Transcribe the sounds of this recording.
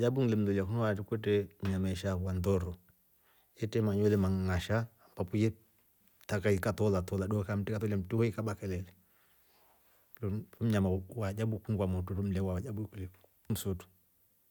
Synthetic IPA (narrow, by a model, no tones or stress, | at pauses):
jabuŋlɛm̩dɔliakunwatukwɛtɛm̩ɲamaɛʃawandɔɾɔ | ɛtɛmaɲɛlɛmaŋŋaʃaːmpapujɛ | takaikatɔlatɔlaɗɔkam̩tikatɔlam̩tihɔikaɓakɛlɛlɛ | lɔfɔm̩ɲamawad͡ʒabukuŋɡwamɔtuɾɔm̩lɛwawad͡ʒabukulɛ | m̩sutu̥